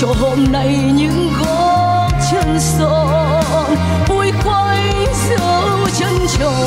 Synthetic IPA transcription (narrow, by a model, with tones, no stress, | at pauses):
t͡ɕɔ˧˩ɦo˧˩mna˧j | ɲɨ̰˧˥ŋɣɔ˧˦ | t̚t͡ɕə˧˩nsɔ˧ | n | vu˧˩jkwa˧j | səː˧˦ | t͡ɕə˧nt͡ɕɔ˨